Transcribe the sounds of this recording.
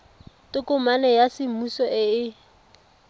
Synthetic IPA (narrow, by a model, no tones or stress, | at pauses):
tʼʊkʊmanɛjasɪmusɔʔɪɪ